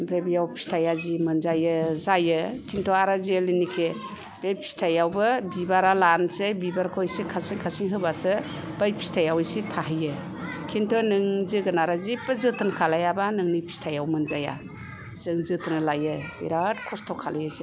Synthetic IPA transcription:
bɾebijawpʰi̥stʰajazimɯnzajɯzajɯkʰintʰɔaɾazelinikʰe | b̥epʰi̥stʰajawbɯbibaɾalansɯbibaɾkʰɔjsikʰasiŋkʰasiŋɦɯbasɯ | b̥ajpʰi̥stʰajawɯjsitʰaɦɯjɯ | kʰintʰɔnɯŋziɡɯnaɾazipɯzɯtʰɯnkʰalajabanɯŋnipʰi̥stʰajawmɯnzaja̰ | zɯŋzɯtʰɯnlajɯbḭɾatkʰɔstʰɔkʰalajase

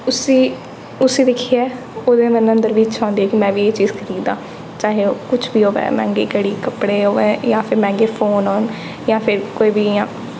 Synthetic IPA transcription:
ʊsiː | ʊsĩːd̪ɪkʰːiɛː | oːd̪eːmɛ̃ːnənd̪əɾʋiːt͡ʃʰãːnd̪iɛːkimɛ̃ːʋiːeːt͡ʃiːzkʰəɾiːd̪ãː | t͡ʃaːɦeːokʊt͡ʃʰbiːɦoːʋɛ̰̃ːmɛ̰̃ːŋɡeːkeɽiːkəpɽeːɦoːʋẽːjãːpʰɪɾmɛ̃ːŋɡeːpʰoːnoːn | jãːpʰɪɾkoːiːbiːjãː

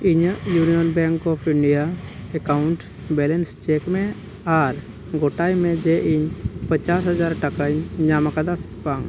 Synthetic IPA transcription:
iɲəjuːnijɔnbɛŋkɔpʰiɳɖijaekaʊɳʈ | bɛlenst͡ʃekmẽ | aɾ | ɡoʈajmẽd͡ʒeʔiɲpət͡ʃasɦəd͡ʒaɾʈəkaɲɲamakad̪as | paŋ

